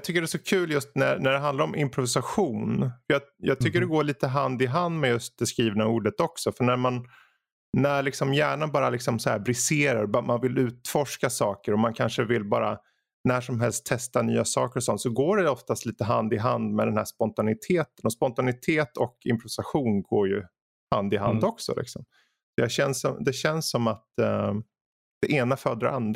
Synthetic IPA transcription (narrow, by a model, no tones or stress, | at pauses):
jt̪ʰʏkːəɖɛsɔkʰʉ̟ːljɵst̪nænæɖɛɦand̪laɾɔmʔɪmpɾʊvɪsaɧuːnfəjajɑ̰ːɡ̚t̪ʰʏkːəɖɛɡoːɭiːt̪əɦand̪ɪɦand̪mɛjɵst̪̚d̪ɛskɾiːvnauːɖət̪ɔksɔfœɳæɾmanː | æɾɭɪksɔmjæːɳanbɑːɾalɪksɔmsɔhæ̰ːɾbɾɪseːɾaɾbmanvɪlʉ̟ːt̪fɔʂkasɑːkəɾɔmankʰanʂəvɪlbɑ̰ːɾa | næːʂɔmɦɛlst̪ʰːɛst̪anyːasɑːkəɾɔsɔnt̪sɔɡoːɖɛɔft̪ast̪liːt̪əɦand̪ɪɦand̪mɛd̪ɛnhæʂpɔnt̪anɪt̪ʰeːt̪ənɔspɔnt̪anɪt̪ʰeːt̪ʰɔkʰɪ̰mpɾʊvɪsaɧuːnɡoːɾjɵ | hand̪ɪɦand̪ɔksɔ̰lʔɪ̰ksɔ̰m | sɔjaɕɛnsɔmd̪ɛɕɛnsːɔmat̪ | d̪̥ɛʔeːnafœːd̪ɾa̰a̰nd̪ɾ